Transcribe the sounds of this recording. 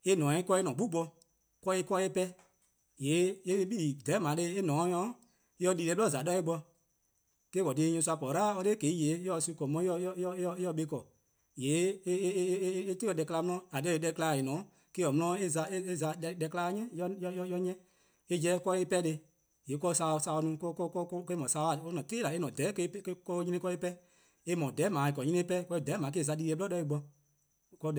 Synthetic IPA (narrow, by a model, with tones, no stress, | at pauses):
e˦nɔ̃ː˨ĩ˧˦kɔ˧e˧˦nɔ̃ː˨ɡ͡bu˦ɡ͡bɔ˧ | kʷɔ˧i˧˦kɔ˧e˦pɛ˦ | je˨˦e˦˧˦ɓi˦˨dɛ˨˦mã˨˦le˧˦e˦nɔ̃ː˨˦ɲɔ̃˨˦ | e˦ɔ˧˦liː˧le˧˦ɓɔ˦˨za˨dɔ˦e˦ɡ͡bɔ˧ | keː˦kɔ˨deː˧˦ɲũ˧su˧a˧pɔ˨ɾaː˦ɔ˧le˦ke˨˦jeː˨˦ɔ˧˨su˧kɔ˨mɔ̃˨˦ɔ˧˦ɔ˧˦ɔ˧˦ɔ˧˦jɔ˧˦ɓe˧˦kɔ˨ | jeː˨˦ | te˦ɔ˧˨dɛ˧˨ka˧la˧mɔ̃˧˦ɔ̃˧˦a˨dɛ˧˦˨e˨˦ɛ˧klaː˧˨e˨nɔ̃ː˨˦ | ke˦ɔ˨mɔ̃˧ɔ̃˧˦e˦za˧e˦e˦za˧dɛ˧klaː˧˦ɲɛ̃˦jɔ˧jɔ˧˦jɔ˧˦jɔ˧ɲɛ̃˦ | e˦d͡ʒɛ˦kɔ˧e˦pɛ˦de˧ | jeː˨˦kɔ˧sa˧˨sa˧ɔ˧nũː˨˧˦kɔ˦kɔ˦kɔ˦kke˧˦mɔ̃˨saː˧˦˨a˨o˦nɔ̃˨teː˦la˨e˦nɔ̃˨dɛː˨˦ke˧˦kkɔ˦ɲĩ˦nĩ˦kɔ˧˦i˦pɛ˦ | e˧˦mɔ̃˨dɛ˨˦mãː˨i˨kɔ˨ɲĩ˦ĩ˦pɛ˦kɔ˧i˧˨dɛː˨˦mãː˨˦k̬e˦˨za˧diː˧˦e˧bɔ˦dɛ˧˦i˧ɡ͡bɔ˧ | kɔ˧˦